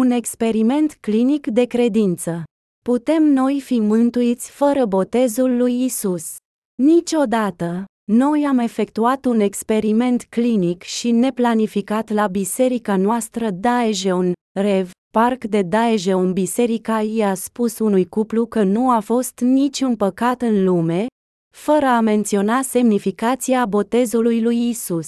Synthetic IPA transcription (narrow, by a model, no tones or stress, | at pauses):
une̞kspe̞ɾime̞nt̪klinikd̪e̞kɾe̞d̪int̪sə | put̪e̞mno̞jfimɨnt̪uit̪sʲfəɾəbo̞t̪e̞zulːujisus | nit͡ʃʲo̞d̪at̪ə | no̞jame̞fe̞kt̪uat̪une̞kspe̞ɾime̞nt̪klinikʃine̞planifikat̪labise̞ɾikanoast̪ɾəd̪aeʒeun | rev | parkd̪e̞d̪aeʒeunbise̞ɾikaiaspusunujkuplukənuafo̞st̪nit͡ʃʲunpəkat̪ɨnlume̞ | fəɾəame̞nt̪sio̞nase̞mnifikat̪siabo̞t̪e̞zulujlujisus